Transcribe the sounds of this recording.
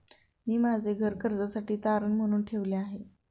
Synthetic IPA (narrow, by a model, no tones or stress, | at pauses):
miːmad͡zʱeɡʱəɾkəɾd͡zasaʈiːt̪aɾənm̤əɽ̃uːnʈʰeʋleaɦe